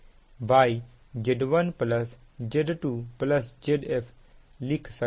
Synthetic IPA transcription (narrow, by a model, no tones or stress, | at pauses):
baj | d͡ʒeɖʋɐnplɐsd͡ʒeɖʈuplɐsd͡ʒeɖepʰ | likʰsə